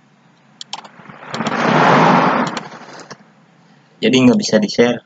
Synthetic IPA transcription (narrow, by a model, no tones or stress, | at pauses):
d͡ʒadiŋɡabisadisɛr